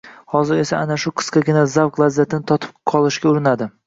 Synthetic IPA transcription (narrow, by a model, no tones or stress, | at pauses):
hɒzɪɾe̞saanaʃʊqʰɨ̥skʲɑkʲɪnazavqlˠazːat̪ʰɪnɪt̪ʰɒt̪ʰɪ̥pqʰɒlˠɪʃkʲaʊɾɪnad̪ɪ